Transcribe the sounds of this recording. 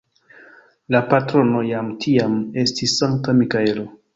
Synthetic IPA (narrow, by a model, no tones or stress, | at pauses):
lapatɾo̞no̞jamtʰiame̞stisːaŋk̚tamikae̞lo